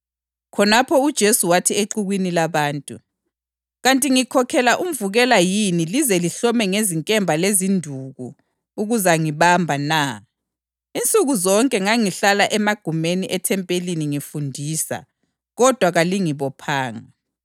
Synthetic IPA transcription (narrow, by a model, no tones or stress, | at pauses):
kʰɔnapʰɔud̥ʒ̥ʱesuwatʰieǃuɣwinilaβaːntʼu | ɣantʼiŋikʰɔkʰɛlaʔum̩vuɣɛlajinilizɛliɬɔmɛŋeziŋkʼɛmbʱalezindʱuɣu | uɣuzaŋiβambʱana | int͡sʼuɣuzɔŋkʼɛŋaŋiɬalaʔɛmaɡ̥ʱumeniʔɛtʰɛmpʼeliniŋifundʱiːsa̰ | ɣɔd̥ʱwaɣaliŋiβɔpʰaːŋa̰